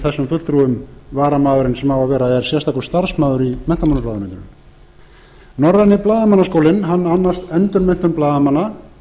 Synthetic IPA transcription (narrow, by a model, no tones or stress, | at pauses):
θɛsːʏmfʏlt̪ɾuːʏmvaːɾamaːðʏɾɪnsɛmhawavɛːɾaɛɾ̥sjɛ̥st̪akʏɾ̥st̪aɾ̥smaːðʏɾimɛnt̪amanʏplaːðamɛnt̪ʏnm | nɔɾðanːɪplaːðamanːaskowlɪnɦanːanːast̪ɛnt̪ʏnmɛn̥t̪ʏmplaːðamanːa